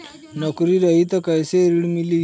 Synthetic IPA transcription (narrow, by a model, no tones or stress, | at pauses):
nɔkɾiɾɐɦit̪ɐkɐjseɾiɽmili